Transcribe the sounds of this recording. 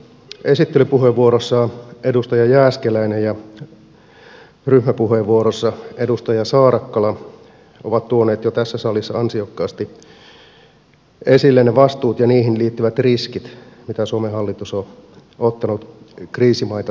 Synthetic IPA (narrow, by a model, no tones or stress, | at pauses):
e̞sit̪ːelypuɦeʋːuoɾosːɑedust̪ɑjɑjæːskelæinejjɑ | ryhmæpuɦeʋʋuoɾosːɑedust̪ɑjɑsɑːɾɑkːɑlɑ | ʔoʋɑt̪t̪uoneːt̪jot̪æsːæsɑlːˑisːɑɑnsiokːɑːst̪i | esilːenːeʋɑst̪uːt̪jɑniːɦinliːt̪ːyʋæt̪riskit̪ | mit̪æsuomeɦɑlːit̪usoot̪ːɑnut̪kriːsimɑit̪ɑ